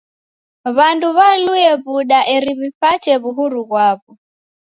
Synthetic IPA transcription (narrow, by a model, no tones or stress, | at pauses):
βanduβanuɛβuɗaʔɛɾiβipat͡ʃɛβuɦuɾuɣwaβɔ